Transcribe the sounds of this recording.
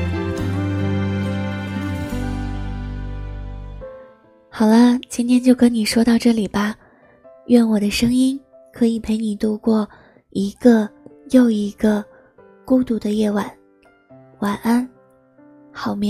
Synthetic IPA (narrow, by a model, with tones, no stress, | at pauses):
xɑ˨˩ʊlə˦t͡ɕi˥nt̪ʰjɛ˥nt͡ɕjo˥˩ʊkə˥nni˨˩ʂwɔ˥t̪ɑ˥˧ʊʈ͡ʂɤ˥˩li˨˩bɐ˦ | ɥɛ˥˩nwɔ˨˩d̪ə˦ʂɤ˥ŋi˥n | kʰɤ˧˥i˨˩pʰe˧˥ɪni˨˩t̪u˥˧kwɔ˥˩ | i˧˥ɡ̥ə˧jo˥˩ʊi˧˥ɡə˧ | ku˥ʊt̪u˥˩d̪ə˧jɛ˥˩wa˨˩˦n | wa˨˩na˥n | xɑ˨˩ʊmjɛ˧˥